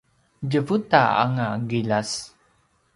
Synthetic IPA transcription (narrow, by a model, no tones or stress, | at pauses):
d͡ʒəvut̪a̰a̰ŋaɡilas